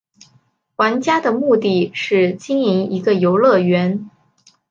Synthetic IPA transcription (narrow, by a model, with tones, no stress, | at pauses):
xwa˧˥nt͡ɕja˥d̪ə˨mu˥˧t̪i˥˩ʂɻ̩˥˩t͡ɕi˥ŋi˧˥ŋi˧˥ɡə˧jo˧˥ʊlɤ˥˩ɥɛ˧˥n